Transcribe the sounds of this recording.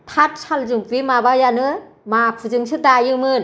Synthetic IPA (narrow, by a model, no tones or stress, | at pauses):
tʰat̚salzɯŋpʰimabajanɯ | mapʰɯzɯŋsɯdajɯmɯn